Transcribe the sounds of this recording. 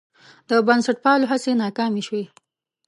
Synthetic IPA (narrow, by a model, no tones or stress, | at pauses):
d̪əbansaʈ̚pɑloɦasenɑkɑmiʃwi